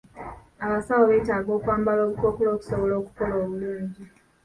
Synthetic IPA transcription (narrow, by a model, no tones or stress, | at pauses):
aβasawoβeːtaːɡo̞ːkwaːmbalo̞ːβukokulo̞ːku̥soβolo̞ːku̥koloːβuluːɲɟi